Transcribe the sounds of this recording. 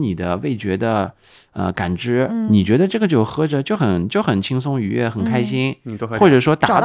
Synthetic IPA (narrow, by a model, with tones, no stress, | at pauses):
ni˨˩d̪ə˦we˥˩ɪt͡ɕɥɛ˧˥d̪ə˧ | ə̰˧ka˨˩nʈ͡ʂɻ̩˥ni˨˩t͡ɕɥɛ˧˥d̪ə˧ʈ͡ʂɤ˥˩ɡə˩t͡ɕjo˥˩ʊxɤ˥ʈ͡ʂə˨t͡ɕjo˥˩ʊxə˨˩nt͡ɕjo˥˩ʊxə˨˩nt͡ɕʰi˥ŋs̬ʊ˥ŋy˧˥ɥɛ̰˥˩xə˨˩nkʰa˥ɪɕi˥nxwɔ˥˩ʈ͡ʂɤ˨˩ʂwɔ˥t̪a˨˧˦